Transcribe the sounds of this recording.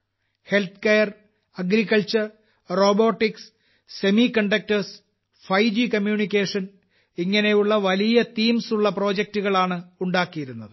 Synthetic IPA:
he̞lt̪ʰkejɐr | ɐɡɾikːɐlt͡ɕɐr | ro̞ːbo̞ːʈːiks | se̞mikɐɳɖɐk̚tɐrs | fɐjd͡ʑikɐmjuːnikʲːeːʂɐn | iŋːɐne̞juɭːɐʋɐlijɐt̪iːmsuɭːɐpro̞ːd͡ʑek̚tuɣɐɭaːɳɨuɳɖaːkːijiɾunːɐðɨ

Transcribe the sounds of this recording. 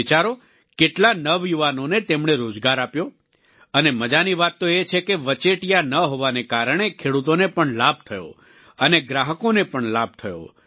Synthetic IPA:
t͡ʃaɾo | keʈlanəʋjuʋanonet̪emɳ̃eɾod͡ʒɡaɾapjo | əneməd͡ʒaniʋat̪ːoet͡ʃʰekeʋət͡ʃeʈijanəɦoʋanekaɾɳ̃ekʰeɽut̪onepəɳlab̚t̪ʰəjo̰ | əneɡɾaɦəkonepəɳlab̚t̪ʰəjo̰

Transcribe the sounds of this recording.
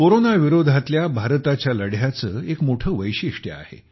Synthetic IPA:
koɾonaʋiɾod̪ʱat̪ljabʱaɾt̪at͡ɕjaləɽjat͡səːekmoʈʰəːʋəjɕiʂʈjə̰a̰hḛ

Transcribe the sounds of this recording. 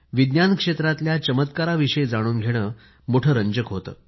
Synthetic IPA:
ʋid̪njankʂet̪ɾat̪ljat͡ɕəmət̪kaɾaʋiʂəjd͡zaɽ̃uːnɡʱeɽ̃əː | moʈʰəɾəɲd͡ʑəkɦot̪ə̰ː

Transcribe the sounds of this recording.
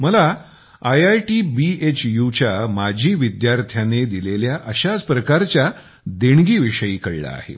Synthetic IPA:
məla | ajajʈibiet͡ɕjut͡ɕjamad͡ʑʱiːʋid̪jaɾt̪ʰjaned̪ileljaʔəɕad͡zpɾəkaɾt͡ɕja | d̪eɳɡiːʋiʂəjiːkəɭḭla̰ːhḛ

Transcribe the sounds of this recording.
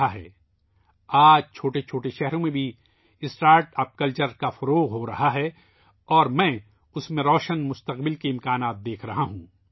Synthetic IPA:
aɦɛ̰ː | aːd͡ʒt͡ʃʰoːʈet͡ʃʰoːʈeʃɛɦɾõmẽbʱi | ɪsʈaːɾʈɐp̚kəlt͡ʃəɾkafɐɾoːɣɦoɾɐ̰ɦaɦɛː | ɔːɾmɛ̃ː | ʊsmẽɾɔːʃənmʊst̪əqbɪlkiɪ̃mkaːnaːt̪̚d̪eːkʰɾɐɦaɦũː

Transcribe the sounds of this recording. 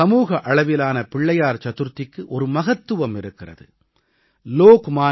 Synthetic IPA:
ɐmuːɣɐʔɐɭɐʋɪlaːnɐpɪɭːɐjaːɾt͡ʃɐt̪ɯɾt̪ːɪkːɯʔɔɾɯmɐɣɐt̪ːɯʋɐmɪɾɯkːɪrɐ̰ðɯ̰ | loːkmaː

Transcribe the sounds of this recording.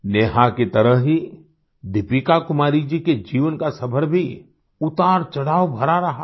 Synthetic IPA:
neːɦaket̪ɐɾəɦɦi | d̪ɪpikakʊmaːɾid͡ʒiked͡ʒiːʋənkasɐbʰʱəɾbʱi | ʊt̪aːɾt͡ʃɐɽaːwbʱɐɾaɾɐɦa

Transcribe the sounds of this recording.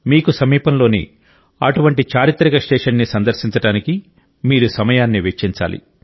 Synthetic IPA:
miːkusɐmiːpɐmlo̞ːnḭ | ɐ̰ʈuʋɐɳʈit͡ʃaːɾit̪ɾɐɡɐsʈeːʂɐnːisɐnd̪ɐɾʃiɲt͡ʃɐɽaːniki | miːɾusɐmɐjaːnːiʋekt͡ʃiɲt͡ʃa̰ːlḭ

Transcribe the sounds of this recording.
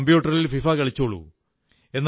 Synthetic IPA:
mbjuːʈːɐrlilfifaːkɐɭit͡ɕːoːɭːṵ | e̞nː

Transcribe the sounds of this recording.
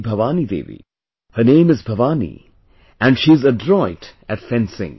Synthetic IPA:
bʱəʋaːnid̪ḛːʋḭ | hənẽɪ̃mɨzbʱəʋaːnḭ | ʔæ̃nʃizədɹɔɪtɨtfɛ̃nsɪ̰̃ŋ

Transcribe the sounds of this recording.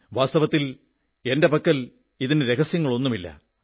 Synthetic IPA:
ʋaːst̪ɐʋɐt̪ːil | e̞nde̞pɐkːɐl | iðineɾe̞ɣɐsjɐŋːɐɭo̞nːumilːɐ̰

